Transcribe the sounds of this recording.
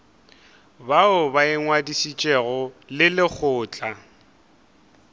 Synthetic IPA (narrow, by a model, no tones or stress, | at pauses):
baʊbaɪŋwadisit͡ʃʼɛɣɔlɪlɪk͡xʰʊːt͡ɬʼa